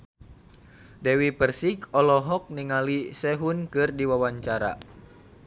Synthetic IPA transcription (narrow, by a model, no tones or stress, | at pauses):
dɛwipərsiɡɔlɔɦɔk̚niŋalisɛɦunkɨrdiwawaɲt͡ʃaɾa̰